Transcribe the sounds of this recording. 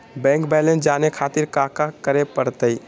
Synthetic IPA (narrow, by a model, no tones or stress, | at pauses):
bɛ̃ŋkbɛlẽnsd͡ʒanekʰat̪iɾkakakəɾepəɾt̪əj